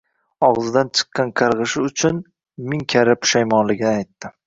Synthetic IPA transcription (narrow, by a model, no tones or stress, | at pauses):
ɒʁzɪd̪ant͡ʃʰɨ̥qːɑnqʰɑɾʁɨʃɪʊt͡ʃʰʊn | mɪŋkʲʰaɾɪpʰʊ̥ʃajmɒnlɪɡʲɪnɪajt̪ːɪ